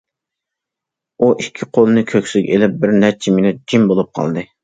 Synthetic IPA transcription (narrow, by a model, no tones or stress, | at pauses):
uʔikʲʰːiqʰolˠɨnɨkʲʰøkʲsɪɡʲɛelɪp̚bɪɾnɛt͡ʃʰiminɛd͡ʒimbolˠup̚qʰɑ̰lˠd̪ɨ